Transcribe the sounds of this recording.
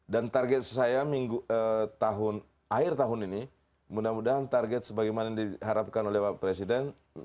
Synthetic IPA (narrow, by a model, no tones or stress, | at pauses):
dant̪arɡɛt̪̚sajamiŋɡuət̪aɦʊn | aɪrt̪aɦʊnini | mudamudaɦant̪arɡɛt̪̚səbaɡajmanadiɦaɾap̚kanolɛhapɾɛsidɛn